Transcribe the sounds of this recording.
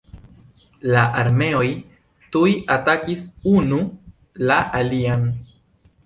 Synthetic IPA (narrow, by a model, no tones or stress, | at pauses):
laʔaɾme̞o̞j | tujʔatakisunu | laʔalian